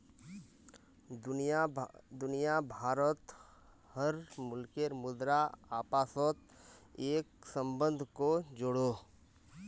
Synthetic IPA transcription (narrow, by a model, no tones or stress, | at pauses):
d̪ʊnijabʱaːɾət̪ | həɾmʊlkeɾmʊd̪ɾaaːpaːsɔt̪̚ | eːk̚sə̃mbə̃nd̪ʱkod͡ʒʊɽoː